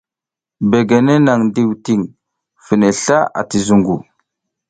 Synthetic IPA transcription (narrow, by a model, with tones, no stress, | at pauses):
be˨ɡe˨ne˦na˨ŋndi˦˨wti˦˨ŋ | fi˨ne˨ɬa˦a̰˨ti˨zu˨ŋɡu˨